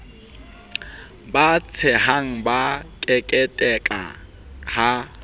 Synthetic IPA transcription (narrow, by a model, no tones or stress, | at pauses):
bat͡sʰɪɦaŋ̩bakʼɛkʼɛtʼɛkʼa̰ | ha